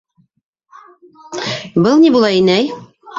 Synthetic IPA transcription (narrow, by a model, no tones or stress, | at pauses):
bɤlˠnibulˠɑinæj